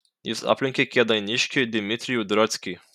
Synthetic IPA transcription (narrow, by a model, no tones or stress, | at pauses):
ḭsa̰plʲiŋkʲekʰʲɛd̪ajnʲiʃkʰʲed̪imit̪ɾijud̪ɾɔt̪t͡sʲkʲi